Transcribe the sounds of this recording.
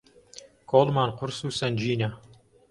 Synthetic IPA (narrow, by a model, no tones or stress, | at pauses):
kʰolˠmɑnqʊɾsuːsanʲd͡ʒiːnʲa